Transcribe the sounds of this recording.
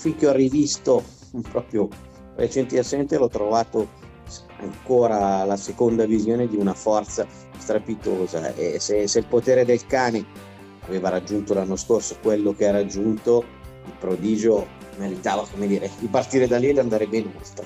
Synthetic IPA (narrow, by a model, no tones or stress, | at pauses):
fiŋk̟eɔrivist̪o | pɾɔpɾjo | ret͡ʃɛnt̪iasɛnt̪elɔt̪ːɾovaːt̪o | s | a̰ŋkoːɾalasekond̪avizjoːned̪iunafɔrt̪sa | st̪ɾapit̪oːza̰ḛseselpot̪eːɾed̪elkaːne | aveːvaɾad͡ʒːunt̪olanːoskorsokwelːokeɛɾad͡ʒːunt̪oilpɾod̪iːd͡ʒo | meɾit̪aːvakomed̪iːɾed̪ipart̪iːɾed̪aliɛd̪and̪aːɾebɛːneolt̪ɾe